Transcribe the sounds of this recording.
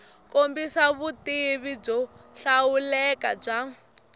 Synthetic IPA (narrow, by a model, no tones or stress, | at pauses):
kombisaβutiβib͡ʐɔɬawulɛka̰b͡ʐa